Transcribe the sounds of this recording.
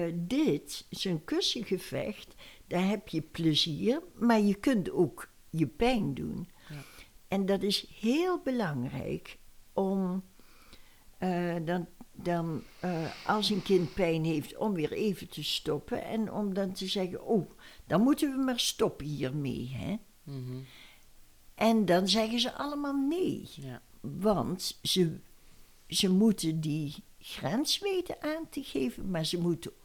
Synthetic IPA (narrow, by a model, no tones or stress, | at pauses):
dɪtsonkøsəɣəv̥ɛ̰xtd̥ɑnɦɛpjəpləziːɹmaːɹjəkɵntoːk | jəpɛjndṵn | ʔɛndɑtɪsheːlˠbəlɑŋrɛ̰jkʔɔm | dɑdɑn | ʔɑlˠsənkɪnt̚pɛjnɦeːftɔmʋɪːɹeːvəntʰəstɔpə̰nɛ̰nɔ̰mdɑntəzɛχə̰noːd̥ɑnmutənʋəmaːɹstɔpəɦiːɹmḛjɦɛ̰ | ʔɛndɑnzɛχənzəʔɑləmaːlˠnej | ʋɑntz̥ə | zəmutəndiχrɛnsʋeːtəʔaːntəɣeːvənmaːɹzəmutə